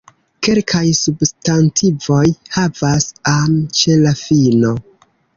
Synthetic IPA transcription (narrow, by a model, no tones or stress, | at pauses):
ke̞lkʰajsubstantʰivo̞jhavasamt͡ʃe̞lafino̞